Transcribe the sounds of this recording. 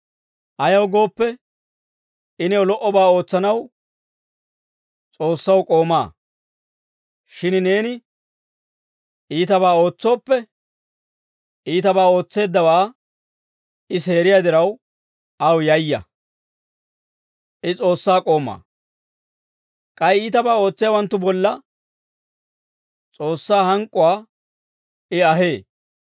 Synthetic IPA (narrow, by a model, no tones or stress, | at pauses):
ʔɐjɐwɡo̞ːpːɛ | ʔɪnɛwlɔʔɔbaːo̞ːt͡sːɐnɐw | t͡sʼo̞ːsːɐwkʼo̞ːma̰ː | ʃɪnne̞ːnɪ | ʔiːt̪ɐbaːo̞ːt͡sːo̞ːpːɛ | ʔiːt̪ɐbaːo̞ːt͡sːe̞ːd̪ːɐwaː | ʔɪse̞ːɾɪjad̪ɪɾɐw | ɐwjɐjːɐ̰ | ʔɪt͡sʼo̞ːsːaːkʼo̞ːma̰ː | kʼɐjiːt̪ɐbaːo̞ːt͡sːɪjɐwɐnt̪ːʊbɔlːɐ | t͡sʼo̞ːsːaːhɐŋkʼːʊwaː | ɪɐɦe̞ː